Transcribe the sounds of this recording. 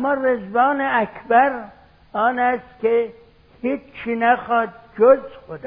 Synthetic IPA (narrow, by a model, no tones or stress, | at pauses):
mːɒːrezvɑːneækʰbæɾ | ɒːnæst̪kʲe | hiːt͡ʃt͡ʃʰːiːnæxɒːd̪̚d͡ʒozxod̪